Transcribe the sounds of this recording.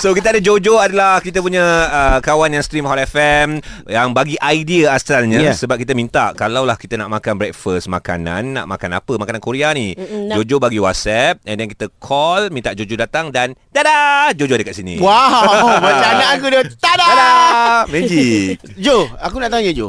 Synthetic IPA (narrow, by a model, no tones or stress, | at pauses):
sokit̪əadad͡ʒod͡ʒoadalahkit̪əp̬uɲəəkawanjaŋst̪ɾimɦɔtɛfɛmjaŋbaɡiʔajdiəasalɲə̃səbap̚kit̪̬əmint̪a̰ʔkalawlahkit̪ənaʔmakanbɾɛk̚fəsma̰ka̰nã̰nːa̰ʔma̰kana̰pəmakanankuɾianid͡ʒod͡ʒobaɡiwɔt̪̚sɛp̚ɛndɛnkit̪əkʰɔlmĩnt̪aʔd͡ʒod͡ʒodat̪aŋdant̪adad͡ʒod͡ʒodəkat̪̚sinḭwamat͡ʃaakudət̪adadamed͡ʒik̚ | d͡ʒoakunaʔt̪auɲəd͡ʒo